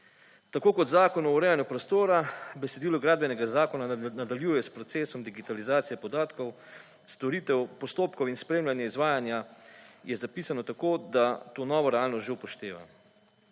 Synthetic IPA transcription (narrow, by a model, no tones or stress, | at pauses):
t̪akoːkɔd̪zaːkɔnɔuɾɛːjanjupɾɔst̪oːɾabɛsed̪iːlɔɡɾaːd̪̚bɛnɛɡazaːkɔnanad̪aljuːjɛspɾɔt̪seːsɔmd̪iɡit̪alizaːt̪sijɛpɔd̪aːt̪kɔw | st̪ɔɾiːt̪ɛwpɔst̪oːpkɔwinspɾeːmljanjɛizʋaːjanjajɛzapiːsanɔt̪akoːd̪at̪oːnɔːʋɔɾɛaːlnɔst̪ʒewpɔʃt̪eːʋa̰